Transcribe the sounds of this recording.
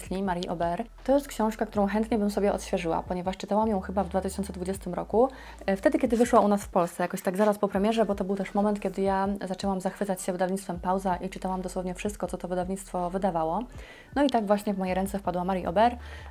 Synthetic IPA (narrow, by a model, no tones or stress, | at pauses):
lʲimaɾjiʔɔbɛɾt̪ɔjɛst̪kɕɔ̃w̃ʂkakt̪uɾɔ̃w̃xɛnt̪ɲɛbɘmsɔbʲɛʔɔ̰t̪ɕfʲjɛʐɘwa̰pɔɲɛvaʂt͡ʂɘt̪awamjɔ̃w̃xɘbavd̪vat̪ɘɕɔnt̪sɛd̪vud͡ʑɛst̪ɘmɾɔku | ft̪ɛd̪ɘkʲɛd̪ɘvɘʂwaunasfpɔlst̪sɛjakɔɕt̪aɡzaɾaspɔpɾɛmʲjɛʐɛbɔt̪ɔbɘwt̪ɛʂmɔmɛnt̪kʲɛd̪ɘjazat͡ʂɛwamzaxfɘt̪sat͡ɕɕɛvɘd̪avɲit̪st̪fɛmpawzaʔit͡ʂɘt̪awamd̪ɔswɔvɲɛfʂɘst̪kɔt̪sɔt̪ɔvɘd̪avɲit̪st̪fɔvɘd̪avawɔ | nɔit̪aɡvwaɕɲɛvmɔjejɾɛnt̪sɛfpad̪wamaɾjiʔɔ̰bɛɾ